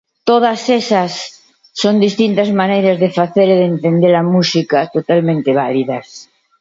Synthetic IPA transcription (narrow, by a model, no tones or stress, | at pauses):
t̪oð̞asesasː | ond̪ist̪int̪azmanejɾazðefaθeɾeðent̪end̪eɾamusikat̪ot̪almẽnt̪eβ̞aliðas